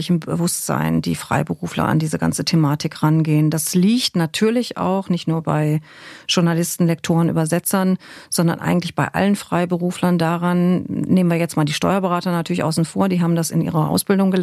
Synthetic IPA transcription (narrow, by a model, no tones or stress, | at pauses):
ɪçm̩bəvʊstz̥a̰ɪnd̥ḭːfʁ̥a̰ɪbəʁuːflɐ̰ʔa̰ndiːzəɡa̰nt͡sətʰemaːtɪkʁanɡeːəndasliːçtnatʰyːɐlɪça̰ʊxnɪçtnuːɐba̰ɪʒ̥ʊɐnalɪstn̩lɛk̚tʰoːʁənʔy̰ːbɐzɛt͡sɐnz̥ɔndɐ̰nʔa̰ɪɡŋ̩tlɪçb̥aɪʔa̰lənfʁ̥aɪbəʁuːflɐndaːʁanneːmənviːɐjɛt͡stmaːldiːʃtɔʏɐbəʁaːtɐnatʰyːɐlɪçʔaʊsn̩foːɐdiːɦaːbm̩dasɪnʔḭːʁɐʔa̰ʊsb̥ɪldʊŋɡə